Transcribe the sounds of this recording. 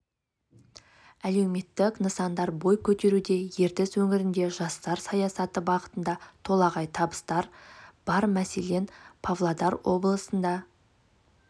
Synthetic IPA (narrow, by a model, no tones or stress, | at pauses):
æle̞wme̞t̪ːɪknəsɑnd̪ɑɾbo̞jkʲʰɵt̪e̞ɾud̪e̞je̞ɾt̪ɪswɵŋɪɾɪnd̪e̞ʒɑst̪ɑɾsɑjɑsɑt̪əbɑʁət̪ənd̪ɑt̪ʰo̞lˠɑʁɑjt̪ʰɑbəst̪ɑɾb̥ɑɾmæse̞le̞npʰavlˠad̪ɑɾwʔo̞blˠəsənd̪ɑ